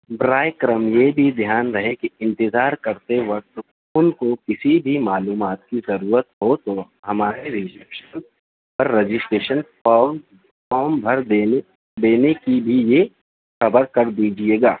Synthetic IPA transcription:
bɾaːjkɾəmjebʱid̪ʱjaːnɾɐɦekiɪ̃nt̪ɪzaːɾkɐɾt̪eʋɐk̚t̪ | ʊnkokɪsibʱimaːluːmaːt̪̚kizɐɾuːɾət̪ɦot̪o | ɦɐmaːɾeɾɪsɛpʃən | pɐɾːed͡ʒɪsʈeːʃən | ɔːm | kɔːmbʱɐɾd̪eː | d̪eːnekibʱije | xɐbəɾkɐɾd̪iːd͡ʒieːɡaː

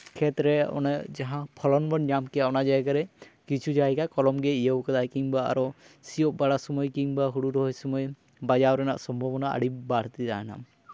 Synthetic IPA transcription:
kʰɛt̪ɾɛɔ̰nad͡ʒaɦãpʰɔlɔnbɔnɲamkɛaʔnad͡ʒajkaɾɛkit͡ʃʰud͡ʒajkakɔlɔmɡɛijəwkad̪ajkiŋbaa̰ɾɔsijɔʔ̚baɽasɔmɔjkiŋbaɦuɽuɾɔɦɔjsɔmɔj | bad͡ʒawɾɛna̰ʔsɔmbʱɔbɔnaa̰ɽip̚baɽ̤t̪izaɦna̰m

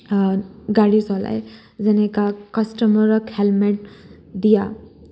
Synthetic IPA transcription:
ɡaɽisɔla̰j | d͡zɛnekakəsʈəməɾəkhelmeʈ̚ | d̪ija

